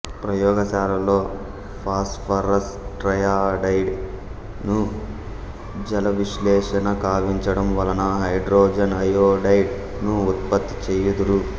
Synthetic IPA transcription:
pɾɐjɔːɡɐsaːɾɐlo̞ː | pʰaːsʈpʰɐɾɐs | ʈɾɐjaːɖɐjɖ | nu | d͡ʒɐlɐʋiʃlɛːʂɐnɐkaːʋiɲt͡ʃɐɽɐmʋɐlɐnɐɦɐjɖɾoːd͡ʒɐnɐjoːɖɐjɖ | nuut̪̚pɐt̪ːit͡ʃɛːjɐd̪uɾu

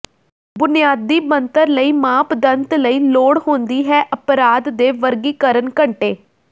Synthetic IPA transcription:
bʊnijaːd̪ːiːmənt̪əɾləiːmãːpd̪ənt̪ləiːloːɽɦõːnd̪iːɦɛːʔəpɾaːd̪ːeːʋəɾɡiːkəɾənkəɳʈeː

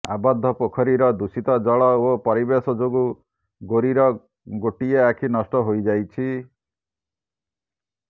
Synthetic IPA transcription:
a̰bad̪ʱːɔpɔkʰɔɾiɾɔd̪usit̪ɔd͡ʒɔɭɔopɔɾibesɔd͡ʒoɡu | ɡoɾiɾɔ | ɡoʈieakʰinɔsʈɔɦojd͡ʒajt͡ʃʰi

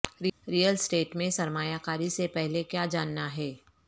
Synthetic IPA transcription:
ɾiɾijəlsʈeːʈmẽsɐɾmaːjakaːɾisepɛɦlekjaːd͡ʒaːnːaɦɛː

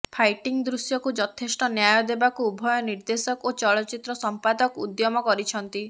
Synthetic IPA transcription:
pʰajʈiŋd̪ɾusjɔkud͡ʒɔt̪ʰesʈɔnjajɔd̪ebakuubʱɔjɔniɾd̪esɔkot͡ʃɔɭɔt͡ʃit̪ɾɔsɔmpad̪ɔkṵd̪jɔmɔkɔɾit͡ʃʰɔnt̪i

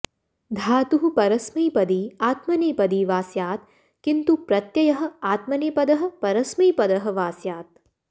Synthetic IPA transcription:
d̪ʱaːt̪uɦupɐɾɐsmɐjpɐd̪iːaːt̪mɐneːpɐd̪iːʋaːsjaːt̪ | kint̪upɾɐt̪jɐjɐɦɐ̆aːt̪mɐneːpɐd̪ɐɦɐ̆pɐɾɐsmiːpɐd̪ɐɦɐ̆ʋaːsjaːt̪̚

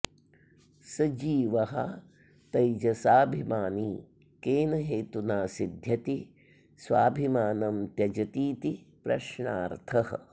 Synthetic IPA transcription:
sɐd͡ʒiːʋɐɦɐ̰ | t̪ɐjd͡ʒɐsaːbʱimaːni | keːnɐɦeːt̪unaːsid̪ʱjɐt̪i | sʋa̰ːbʱimaːnɐmt̪jɐd͡ʒɐt̪iːt̪ipɾɐ̰ʃɳaːɾt̪ʰɐɦɐ̰̆

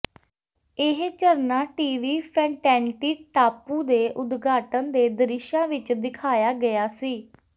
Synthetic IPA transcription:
ɪɦt͡ʃəɾnaːʈiːʋiːpʰɛ̃ːɳʈɛ̃ːɳʈiːʈaːpuːd̪eːʔʊd̪ɡaːʈənd̪eːd̪əɾɪʃãːʋɪt͡ʃd̪ɪkʰaːjaːɡəjaːsiː

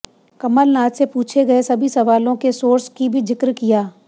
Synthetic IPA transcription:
kɐməlnaːt̪sepuːt͡ʃʰeɡɐesɐbʱisɐʋaːlõkesoːɾskibʱid͡ʒɪkɾkijaː

